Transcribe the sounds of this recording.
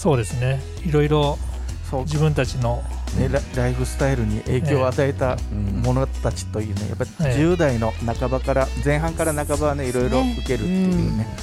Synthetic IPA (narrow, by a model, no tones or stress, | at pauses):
so̞ːd̪e̞sɨne̞ | iɾo̞iɾo | so̞ːd͡ʑiβɯ̟̃nt̪at͡ɕino̞ | neɾaɾaiɸɯ̟sɨ̥t̪aiɾɯ̟ɲ̟iʔe̞ːkʲo̞ːat̪ae̞t̪amo̞no̞t̪at͡ɕi̥t̪o̞jɯ̟ːne̞̰ja̰pːaid͡ʑɨːd̪aino̞nakabakaɾazẽ̞ɰ̃ɦãŋkaɾanakabaβane̞iɾo̞iɾo̞ɯ̟ke̞ɾɯ̟t̪ːe̞jɯ̰ːne̞